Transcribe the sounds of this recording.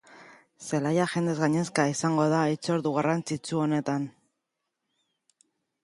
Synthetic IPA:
se̞lajaʝe̞nd̪e̞zɣaɲe̞skaisaŋɡo̞ð̞ait͡so̞ɾðuɣarant͡sit͡suo̞ne̞t̪an

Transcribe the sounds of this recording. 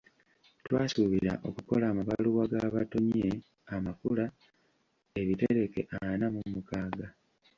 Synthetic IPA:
twaːsuβiɾa̰ʔo̞kuko̞laːmaβaluwaɡaːβato̞ɲe̞ | amakula | e̞βiteɾe̞ke̞̰ʔaanamumukaːɡa

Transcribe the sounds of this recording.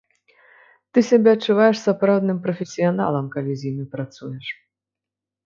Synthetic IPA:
t̪ɨsʲabʲɛɐtt͡ʂːuvajɛʂsapɾawd̪nɨmpɾɐfʲesʲijana̰lˠɐmkalʲizʲjimʲɨpɾat̪sujɛʂ

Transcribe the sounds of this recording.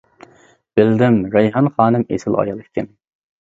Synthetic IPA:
b̥ɪld̪ɪmɾɛjɦɑnχɑːnɨmḛsɪlɑ̰jɑlˠkʲʰːɪn

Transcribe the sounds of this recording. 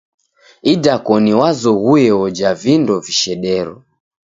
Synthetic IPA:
idakɔniwazɔɣuɛɔd͡ʒavindɔviʃɛɗɛɾɔ̰

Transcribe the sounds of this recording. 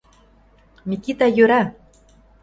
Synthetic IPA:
mʲikit̪ajøɾæ

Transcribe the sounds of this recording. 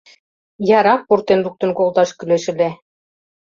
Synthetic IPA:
jɑɾɑk̚purt̪enruk̚t̪ɤ̆nkolˠt̪ɑʃkyleʃɘ̆le

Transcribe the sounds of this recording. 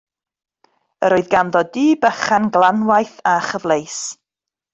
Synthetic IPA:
ə̰ɾoɨðɡanðɔdiːbəχanɡlˠanwajθaχəvlejs

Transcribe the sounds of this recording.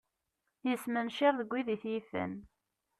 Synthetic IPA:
jəsmənʃɪɾðəɡʷːiðiθjifə̰n

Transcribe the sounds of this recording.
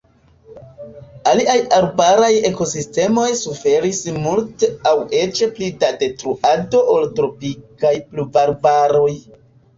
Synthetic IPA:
aliajaɾbaɾaje̞ko̞siste̞mo̞jsufe̞ɾismulte̞awe̞t͡ʃeplidade̞tɾuʔado̞ʔoltɾo̞pikajplubaɾbaɾo̞j

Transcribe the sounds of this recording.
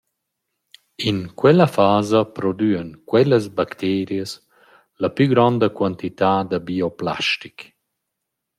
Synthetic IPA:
inkwɛlafaːzɐpɾɔd̪yːənkwɛləsbakt̪ʰɛːɾjəs | lapyɡɾɔnd̪əkwant̪it̪aːd̪əbiopla̰ʃtik

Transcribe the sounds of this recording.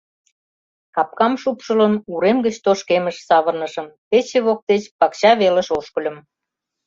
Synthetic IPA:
kɑp̚kɑmʃupʃə̆lə̆nuɾemɡət͡ɕt̪oʃkeməʃsɑβə̆rnəʃə̆mpet͡ɕeβok̚t̪et͡ɕpɑkɕɑβeləʃoʃkə̆lʲə̆m

